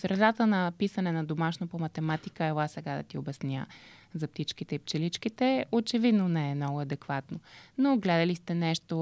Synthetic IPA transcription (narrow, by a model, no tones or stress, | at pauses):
sɾɛd̪at̪ənɐpisənɛnɐd̪omaʃnopomɐt̪ɛmat̪ikəɛlˠasɛɡad̪ɐ̰t̪iobɛsnʲja̰zɐp̚t̪it͡ʃkit̪ɛip̚t͡ʃɛlit͡ʃkit̪ɛot͡ʃɛvid̪nonɛɛmnɔɡʊɐd̪ɛkvat̪nonoɡlɛd̪əlist̪ɛnɛʃt̪o